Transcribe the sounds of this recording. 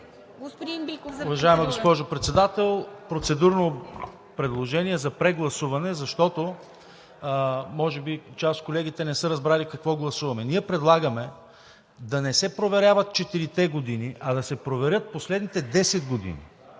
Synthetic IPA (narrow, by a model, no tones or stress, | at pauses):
ɡopd̪inikʊvɐʒaɛmɐɡospɔʒopɾɛt̪sɛd̪at̪ɛlˠpɾot̪sɛd̪uɾno | pɾɛd̪lˠoʒɛniɛzɐpɾɛɡlˠɐsuvɐnɛzɐʃt̪ɔt̪o | mɔʒɛbit͡ʃast̪̚kolɛɡ̟it̪ɛnɛsɤɾɐzbɾalikɐkvɔɡlˠɐsuvɐmɛniɛpɾɛd̪lˠaɡɐmɛ | d̪ɐnɛsɛpɾovɛɾʲavɐt̪̚t͡ʃɛt̪iɾit̪ɛɡod̪iniʔɐd̪ɐsɛpɾovɛɾʲɤt̪̚poslɛd̪nit̪ɛd̪ɛsɛd̪ɡod̪ḭnḭ